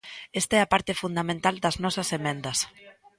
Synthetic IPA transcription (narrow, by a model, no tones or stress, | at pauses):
est̪aɛapaɾt̪efund̪amẽnt̪ald̪ɐznɔsɐsemẽnd̪ɐs